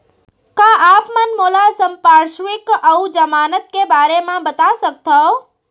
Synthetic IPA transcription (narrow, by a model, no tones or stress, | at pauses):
kaʔaːpmənmoːlasəmpaɾʃʋɪkəud͡ʒəmaːnət̪̚kebaːɾemãbət̪asək̚t̪ʰɔ